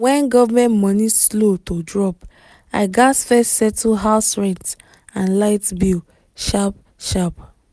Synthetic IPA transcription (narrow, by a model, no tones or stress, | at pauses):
wɛ̃nɡɔvamɛ̃ntmɔnislotodɹɔp | aɪɡasfɛssɛtʰɦaʊsɹɛ̃nt | ãnlaɪtbi | ʃap̚ | ʃap